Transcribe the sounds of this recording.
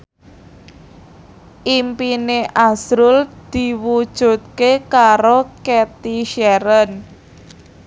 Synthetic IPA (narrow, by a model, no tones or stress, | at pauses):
ʔimpineʔasɾʊld̪̥i̤wud̥ʒ̥ṳt̪̚kekaɾokɛt̪iʃɛɾən